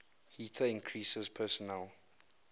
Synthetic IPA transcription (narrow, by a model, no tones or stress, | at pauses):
hiːtʰəɪ̃ŋkʰɹisəzpʰɛsɔnɛl